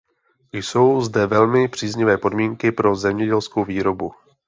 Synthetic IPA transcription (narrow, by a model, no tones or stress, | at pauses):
jso̞wzdɛvɛlmɪpr̝̥iːzɲɪvɛːpo̞dmiːŋkɪpɾo̞zɛmɲɛɟɛlskowviːɾo̞bu